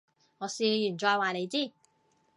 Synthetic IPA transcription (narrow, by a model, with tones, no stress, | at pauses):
ŋɔː˨˧siː˨˧jyː˨˩nt͡ʃɔː˧jwaː˨ne˨˧jt͡siː˥˩